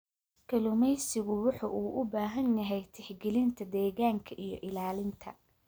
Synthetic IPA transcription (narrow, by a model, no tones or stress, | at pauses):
kʰɐlʊmɛjsɪɣʊwʊħuʔuːʔʊbaːɦɐnjɐɦɛjt̪ʰɪħɡɛlɪnt̪ʰɐd̪ɛːɣaːŋkʰɐʔijɞ̰ʔɪlaːlɪnt̪ʰɐ̰